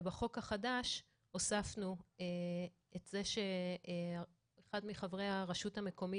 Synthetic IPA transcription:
baχo̞khaχadaʃ | osafnue | etzeʃe̞ | eχadmiχavʁejhaʁaʃuthame̞ko̞mi

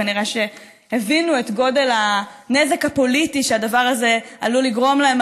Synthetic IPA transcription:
aniʁeʃe̞ | hevinue̞tɡo̞de̞lhaneze̞khapo̞litiʃeadavaʁazealuliɡʁo̞mlaem

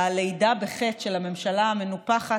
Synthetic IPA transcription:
alejdabeχet̪ʃelhame̞mʃalaame̞nupaχa

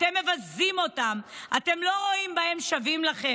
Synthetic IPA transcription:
temːe̞vazimo̞tamʔate̞mlo̞ʁo̞imbae̞mʃavimlaχe

